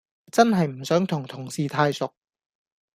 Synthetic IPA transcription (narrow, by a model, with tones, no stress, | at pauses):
t͡sɐ˥nɦɐ˨jm̩˨˩sœː˨˥ŋt̪ʰʊ˨˩ŋt̪ʰʊ˨˩ŋsiː˨˧t̪ʰaː˧jsʊ˨k̚